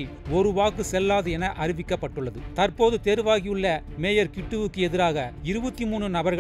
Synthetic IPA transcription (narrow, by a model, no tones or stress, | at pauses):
i | ɔɾɯʋaːkːɯsɛlːaːðɯɛnɐʔɐɾɪʋɪkːɐpːɐʈːɯɭːɐðɯt̪ɐɾpoːðɯt̪eːɾʋaːɣɪjɯɭːɐ | meːjɐɾkɪʈːɯʋɯkːɯɛðɪɾaːɣɐɪɾɯbɐt̪ːimuːɳrɯnɐbɐɾɣ